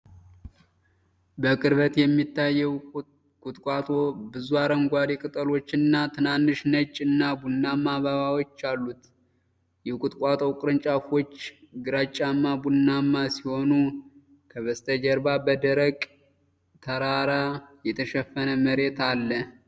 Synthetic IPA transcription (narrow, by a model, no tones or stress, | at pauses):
bəkʼɨɾβət̪jɛmːit̪ːajːɛw | kʼut̪ʼkʼat̪ʼo̞bɨzuaɾəŋɡʷaɾekʼɨt̪ʼəlo̞t͡ʃːɨnːat̪ʰɨnanːɨʃnət͡ʃʼːɨnːabunːamːaβaβawot͡ʃːalːut̪ | jɛkʼut̪ʼkʼat̪ʼowkʼɾɨnt͡ʃʼafo̞t͡ʃːɡɨɾat͡ʃʼːamːabunːamːasiho̞nu | kʰəβəst̪ʼʰəd͡ʒəɾbabəd̪əɾəkʼ | t̪ʰəɾaɾajɛt̪ʰəʃɛfːənəməɾe̞t̪alːə